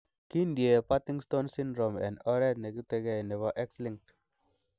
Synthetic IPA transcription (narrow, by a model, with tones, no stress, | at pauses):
ki˦ndje˨pa˦ti˦ŋsto˦nsĩ˦ndɾo˨mɛ̰̃˨nɔ˦ɾɛ˦t̪̚ne˨ki˦tɛ˧ɡe˦˨ne˨βaʔɛ˦ksli˦ŋk̚t